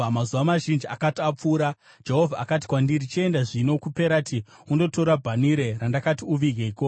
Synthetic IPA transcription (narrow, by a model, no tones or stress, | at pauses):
mazuʋamaʒind͡ʒiʔakatiap͡fuːɾa | d͡ʒe̞ɦo̞vʱaakati̥kwandirit͡ʃie̞ndaʐino̞kupe̞ɾatiundo̞to̞ɾabʱaniɾerandakatiuʋiɡʱeiko